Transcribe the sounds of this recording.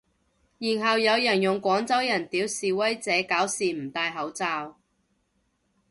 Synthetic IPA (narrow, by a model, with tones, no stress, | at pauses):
jiː˨˩nɦɐ˨wjɐ˨˧wjɐ˨˩njʊ˨˩ŋkʷɔː˨˥ŋt͡sɐ˥wjɐ˨˩nt̪iː˨˥wsiː˨wɐ˥jt͡sɛː˨˥kaː˨˥wsiː˨m̩˨˩t̪aː˧jɦɐ˨˥wt͡saː˧w